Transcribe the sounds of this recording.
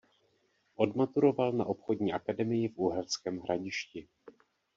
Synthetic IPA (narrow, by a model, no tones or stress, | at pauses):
ʔo̞dmat̪uɾo̞valnaʔo̞pxodɲiːʔakadɛmɪjɪfʔuɦɛlskɛːmɦɾʔaɟɪʃcɪ